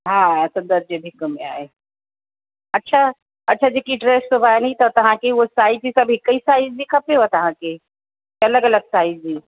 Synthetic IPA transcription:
ɦãsɐ̃nd̪əɾd͡ʒebʱɪkəmḛ̃a̰ːe | ɐtːʃʰa | ɐtːʃʰad͡ʒekiʈɾeːssubʱanit̪ɔt̪ɐɦãkeʋosaːid͡ʒisɐbʱɦɪkːəisaːizikʰɐpeɦot̪ɐɦãke | ɐləɡɐləɡsaːizd͡ʒiː

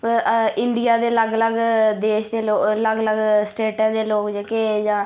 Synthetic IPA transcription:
pɪnd̪ijaːd̪eːləɡləɡd̪eːʃd̪eːloːləɡləɡsʈeːʈãːd̪eːloːkd͡ʒekeːd͡ʒãː

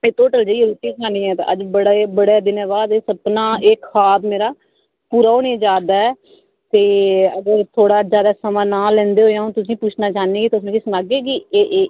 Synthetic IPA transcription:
mẽːt̪oːʈəld͡ʒeiɾuːt̪iːsaːnĩːɛːt̪ã̰əd͡ʒbəɽebəɽeːd̪ɪnẽːbaːd̪eːsəbnãːeːkʰaːbmeːɾaː | puːɾaːoːnẽːd͡ʒaːd̪aːɛː | t̪eːəɡəɾt̪ʰoːɽaːd͡ʒjaːd̪aːsəmãːnaːlːɛ̃ːnd̪eːɦoːjãːɦõːt̪ʊsĩːpʊt͡ʃʰnaːt͡ʃaːnẽːɡiːt̪ːʊsnẽkɪːsəmaːɡeːɡiːeːʔː

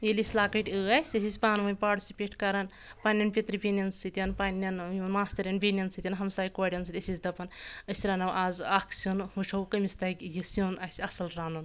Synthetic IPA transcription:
jelʲisʲlaːkɐʈʲɨasʲɐsʲisʲpaːnʋunʲpaːʈisʲipʲeːʈkɐɾɐn | panʲːɐnpʲit̪ɾibʲinʲɐnsɨt̪ʲjɐnpanʲːɐnjunmaːst̪ɐɾʲjɐnbʲinʲɐnsɨt̪ʲjɐnɦɐmsaːjikaːɽʲɐnsɨt̪ʲɐsʲisʲd̪ɐpɐnɐsʲɾɐnɐwʔaːzaːkʰsunhut͡ʃʰɐwkɐmʲist̪ɐkʲjisunɐsʲɐsɐlɾaːnd̪un

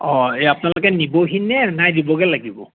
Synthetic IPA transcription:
ɔ̃eapnalʊkɛniboɦinɛnajdibɔɡɛlaɡibɔ̰

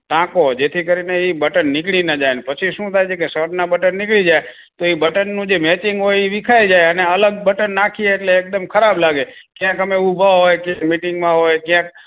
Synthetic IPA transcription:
ʈãkod͡ʒet̪ʰikəɾineibəʈənːɪkɭinəd͡ʒajnpət͡ʃʰiʃũt̪ʰajt͡ʃʰekesəʈnabəʈənːɪkɭid͡ʒaj | t̪oibəʈənːũd͡ʒemɛt͡ʃiŋɡɦojiʋikʰaid͡ʒajəneələɡ̚bəʈənːakʰieːʈleːk̚d̪əmkʰəɾablaɡekjãkɦəmeubʱaɦojkjãmiʈɪŋɡmãɦojkjãk̚

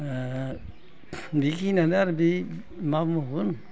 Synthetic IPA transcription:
bikʰinanaɾbi | mamuɡun

